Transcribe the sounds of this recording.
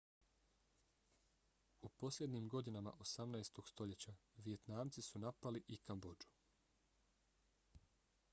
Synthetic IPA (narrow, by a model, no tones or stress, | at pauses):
upo̞slʲjʲe̞d̪nimɡo̞d̪inama̰ʔo̞samnajst̪o̞ɡ̥st̪o̞ʎe̞t͡ɕaʋije̞t̪naːmt̪sisunapaliʔikambo̞d͡ʒu̥